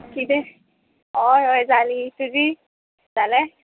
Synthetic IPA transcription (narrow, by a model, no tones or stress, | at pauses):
kide | ɔjɔjzalituzi | zalɛ